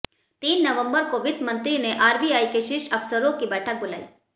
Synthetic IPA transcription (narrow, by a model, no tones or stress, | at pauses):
t̪iːnːəʋə̃mbəɾkoʋɪd̪mə̃nt̪ɾineʔaːɾbiaːikeʃɪʃɐfsəɾõkibɛʈʰək̚bʊla̰ːḭː